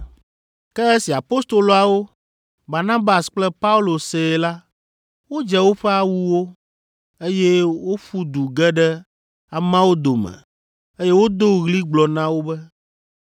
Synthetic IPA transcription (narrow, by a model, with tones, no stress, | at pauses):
kɛ˦e˦si˨a˨po˦st̪o˨lo˨a˨wo˦ | ba˨nã˦ba˨sk͡plɛ˦pa˦u˦lo˨se˨la˦ | wo˦d͡ʒɛ˦wo˦ɸɛ˦a˦˨wu˦wo˦ | e˦jɛ˦wo˦ɸu˦d̪u˨ɡɛ˦ɖɛ˦ | a˨mã˦wo˦d̪o˨mɛ̰̃˨ | e˦jɛ˦wo˦d̪o˦ɣli˦ɡ͡blɔ˨nã˦wo˦bɛ˦